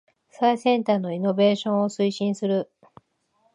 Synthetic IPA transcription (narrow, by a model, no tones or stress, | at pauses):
aisẽ̞nt̪aːno̞ino̞be̞ːɕõ̞ɰ̃o̞sɨiɕĩɰ̃sɨɾɯ̟